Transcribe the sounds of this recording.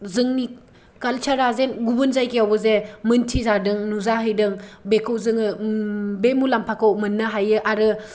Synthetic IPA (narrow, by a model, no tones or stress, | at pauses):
zɯŋni | kalt͡ʃʰaɾazenɡubɯnzajkijawbɯzemɯntʰizadɯŋnuzaɦɯjdɯŋbekʰɯwzɯŋɯ | bemulampʰakʰɯwmɯnːɯɦajɯʔaɾɯ